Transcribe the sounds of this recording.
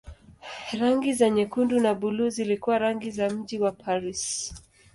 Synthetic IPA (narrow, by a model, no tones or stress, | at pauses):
ɾaŋɡizaɲɛkundunaɓuluːzilikuwaɾaŋɡizam̩ʄiwapʰaɾis